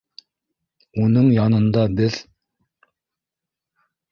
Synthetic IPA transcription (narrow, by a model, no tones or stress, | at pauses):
unɨŋjɑnɨnd̪ɑbɪz̥